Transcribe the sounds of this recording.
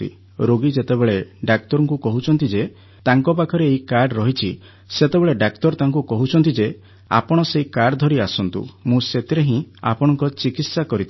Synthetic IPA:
ḭ | ɾoɡid͡ʒet̪ebeɭeɖak̚t̪ɔɾɔŋkukɔɦut͡ʃʰɔnt̪id͡ʒe | t̪aŋkɔp̬akʰɔɾeːɦikaɾɖɾɔɦit͡ʃʰi | set̪ebeɭeɖakt̪ɔɾt̪aŋkukɔɦut͡ʃʰɔnt̪id͡ʒe | a̰pɔɽ̃ɔseikaɖd̪ʱɔɾiasɔnt̪ṵmũset̪iɾeɦĩa̰pɔɽ̃ɔŋkɔt͡ʃikit̪sakɔɾit̪ʰ

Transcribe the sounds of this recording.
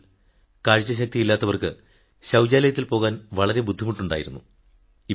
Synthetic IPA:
kaːɻt͡ɕːɐɕ̬ɐk̚t̪ijilːaːt̪ːɐʋɐrkɨ | ɕɐwd͡ʑaːlɐjɐt̪ːilpo̞ːɣaːnʋɐɭɐɾe̞bud̪ʱːimuʈːuɳɖa̰ːjiɾunːu | i

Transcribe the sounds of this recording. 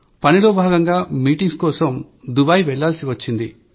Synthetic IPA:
pɐniloːbʱaːɡɐŋɡaːmiːʈiŋɡskɔːsɐm | d̪ubɐjʋɛɭːaːlsiʋɐt͡ʃːind̪ḭ

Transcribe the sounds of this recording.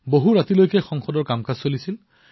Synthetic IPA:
boɦuɹatilojkɛxɔŋxɔdɔɹkamkazsolisil

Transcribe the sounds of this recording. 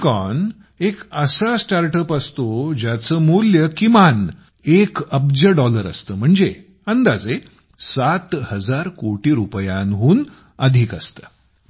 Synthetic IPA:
kɔn | ekəsasʈaɾʈəpəst̪od͡ʑjat͡səːmuljəkiman | ekəbd͡ʑəɖɔləɾə̰st̪əːm̤əɳd͡ze | ənd̪ad͡ze | sat̪həd͡zaɾkoʈiːɾupjanɦuːn | əd̪ʱiːkəst̪əː

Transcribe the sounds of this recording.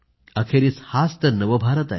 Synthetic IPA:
əkʰeɾiːshast̪əɾnəʋəbʱaɾət̪a̰e

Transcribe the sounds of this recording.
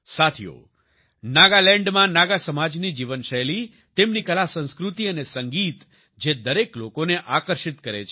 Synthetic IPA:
sat̪ʰijo̰ | naɡalɛ̃ɳɖmãnaɡasəmad͡ʒnid͡ʒiʋənʃəeli | t̪emnikəlasə̃nskɾut̪iənesəŋɡit̪ | d͡ʒed̪əɾeklokoneʔakəɾʃɪt̪kəɾḛt͡ʃʰ

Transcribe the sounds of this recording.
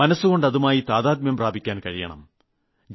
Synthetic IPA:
ɐnɐsːuɣo̞ɳɖɐðumaːjit̪aːðaːd̪̚mjɐmpraːbʱikʲːaːnkɐɻijɐ̰ɳɐ̰m | d͡ʑ

